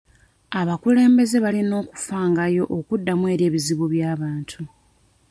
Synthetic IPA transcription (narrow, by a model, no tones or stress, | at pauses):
aβakule̞ːmbe̞ze̞βalino̞ːku̥faːŋɡajo̞ʔokudːamwe̞ːɾe̞ːβiziβuβjaːβaːntʰu